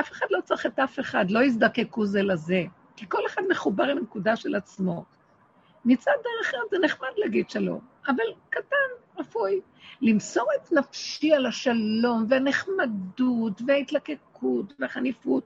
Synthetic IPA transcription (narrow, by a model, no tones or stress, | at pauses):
ʔafeχad̪lo̞t͡saχetafe̞χadlo̞izd̪ake̞kuzelaze̞ | kiko̞le̞χad̪meχubaʁimnekudaʃelat͡smo̞ | nit͡sad̪eʁeχetzeneχmad̪leaɡid̪ʃalo̞̰mavalkatanʁafuj | limso̞ʁet̪nafʃialaʃalo̞mveaneχmadutveait̪lake̞kʰutveaχanifut̚